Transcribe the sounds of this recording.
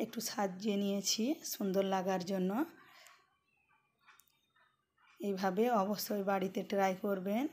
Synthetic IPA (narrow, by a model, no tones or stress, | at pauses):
ek̚ʈuʃad̪d͡ʑenijet͡ɕʰiʃund̪oɾlaɡaɾd͡ʑonːo | ejbʱabeɔboʃojbaɽit̪eʈɾajkoɾben